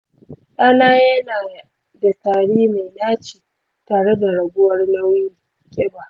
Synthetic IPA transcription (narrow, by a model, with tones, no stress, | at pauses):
ʔa˦naː˦jɐ˦naː˨ | da˨taː˨ɽiː˦ma˨jnaː˦t͡ʃi̥ː˨ | taː˨ɽe˦da˨ɽɐ˨ɡʷʊ˦wɐ˦rla˦wjɪ˦ŋ | kʲʼɛ˦ba˨